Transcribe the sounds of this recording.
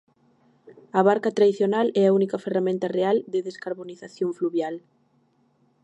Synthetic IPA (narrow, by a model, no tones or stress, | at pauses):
ɐβaɾkat̪ɾaðiθjonalɛaunikɐferamẽnt̪ɐreald̪ɪðeskaɾβoniθaθjoɱfluβjal